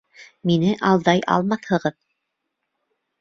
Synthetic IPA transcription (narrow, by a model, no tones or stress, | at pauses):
minɘʔɑlˠd̪ɑjɑ̰lˠmɑθhɤ̆ʁɤð